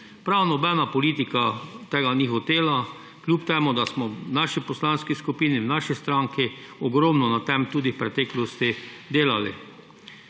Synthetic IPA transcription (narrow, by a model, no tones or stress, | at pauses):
pɾawnɔbɛnapɔliːt̪ikat̪eːɡanixɔt̪eːla | kljuːpt̪eːmud̪asmɔnaʃipɔslanskiskupiːniwnaʃist̪ɾaŋkiɔɡɾɔmnɔnat̪ɛmt̪uːd̪ipɾɛt̪ɛːklɔst̪id̪eːlalḭ